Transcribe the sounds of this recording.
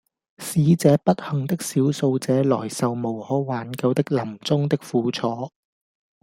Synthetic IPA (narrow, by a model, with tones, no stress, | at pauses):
siː˨˥t͡sɛː˨˥pɐ˥t̚hɐ˨˩ŋt̪ɪ˥k̚siː˨˥wso˧wt͡sɛː˨˧˥lɔ̰ː˨˩jsɐ˨wmo˨˩whɔː˨˥waː˨˥nkɐ˧wt̪ɪ˥k̚lɐ˨˩mt͡sʊ˥ŋt̪ɪ˥k̚fuː˨˧˥t͡sʰɔː˨˥